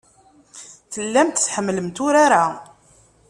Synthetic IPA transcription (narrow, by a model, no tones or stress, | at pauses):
θəlːæmt̪θħəmːləmt̪ʊɾaɾa